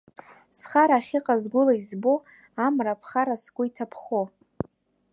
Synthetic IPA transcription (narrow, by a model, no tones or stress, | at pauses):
sχaɾaːχʲɪqʼazɡʷʊlaizbo | amrapʰχaɾaskʷʊitʰapʰχo